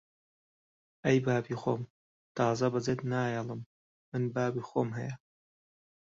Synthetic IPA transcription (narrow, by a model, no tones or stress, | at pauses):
ʔɐjbaːbiːxo̰ːm | t̪ɑːzɐbɐd͡zeːt̪naːjɐlˠɨmː | ɨnbaːbiːxoːmɦɐjɐ